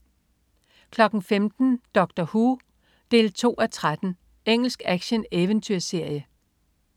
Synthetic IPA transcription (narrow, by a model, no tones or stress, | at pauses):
kʰlɒ̽ɡ̥n̩femd̥n̩d̥ɒ̽ɡ̥̚d̥ɐhuː | d̥e̝̰ːlt͡sʰo̝̰ːæt͡sʰʁad̥n̩ | eŋ̰l̩sɡ̥æɡ̥ɕəneʋənt͡sʰyɐse̝ɐ̰jə